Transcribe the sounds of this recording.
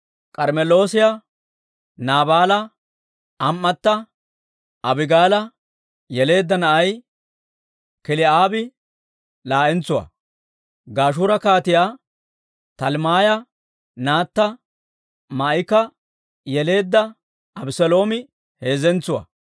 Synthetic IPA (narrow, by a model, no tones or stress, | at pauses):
kʼɐɾmɛlo̞ːsɪja | naːbaːlɐ | ʔɐmːɐt̪ːɐ | ʔɐbɪɡaːlɐ | jɛle̞ːd̪ːɐnɐʔɐj | kɪlɪaːbɪ | laːʔɛnt͡sːʊwɐ̰ | ɡaːʃ̬uːɾɐkaːt̪ɪjaː | t̪ɐlmaːjɐ | naːt̪ːɐ | mɐɪkɐ | jɛle̞ːd̪ːɐ | ɐbsɛlo̞ːmɪ | he̞ːzɛnt͡sʊwɐ̰